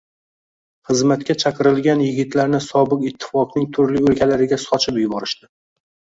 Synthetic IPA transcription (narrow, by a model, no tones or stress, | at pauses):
χɨzmat̪kʲat͡ʃʰaqʰɨɾɪlɡʲanjɪɡʲɪt̪laɾnɪsɒbɨqɪt̪ʰːɪ̥fɒqnɪŋt̪ʰʊɾlɪɵlkʲalaɾɪɡʲasɒt͡ʃʰɪpjʊbɒɾɪʃt̪ɪ